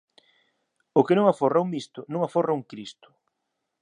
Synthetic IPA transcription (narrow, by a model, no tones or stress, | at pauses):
ʊkɪnõŋaforauŋmist̪ʊnõŋaforauŋkɾist̪ʊ̥